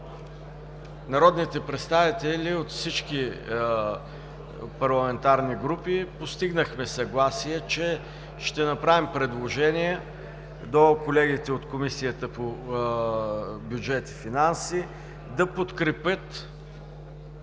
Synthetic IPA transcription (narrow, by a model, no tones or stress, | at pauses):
nɐɾɔd̪nit̪ɛpɾɛt̪st̪avit̪ɛlʲiot̪fsit͡ʃki | pɐɾlˠɐmɛnt̪aɾniɡɾupipost̪iɡnəxmɛsɐɡlˠasiɛt͡ʃɛ | ʃt̪ɛnɐpɾavimpɾɛd̪lˠoʒɛniɛ | d̪okolɛɡit̪ɛot̪komisijət̪əpo | bjud͡ʒɛt̪i̥finansi | d̪ɐpot̪kɾɛpət̪